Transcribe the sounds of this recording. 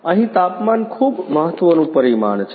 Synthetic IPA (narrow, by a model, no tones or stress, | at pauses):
ə̃ɦĩt̪apmankʰubməɦət̪ːʋənũpəɾimaɳt͡ʃʰ